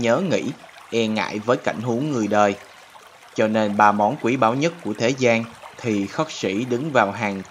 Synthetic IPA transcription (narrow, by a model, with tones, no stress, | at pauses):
ɲəː˨˦ŋḭ˧˥ | ʔɛ˧ŋa̰ː˧˨jvəː˨˦jka̰˧˨jŋ̟ɦu˨˦əŋːɨ˨˩əjɗəː˨˩j | t͡ɕɔ˧ne˧nɓaː˨˩mɔ˨˦nkwi˧˩ɓaː˧˦wɲə˦˥t̚ku˧˩ət̪ʰe˨˦zaː˧nt̪ʰi˨˩xə˦˥k̚sḭ˧˩ɗɨ˨˦ŋvaː˨˩wɦaː˨˩ŋ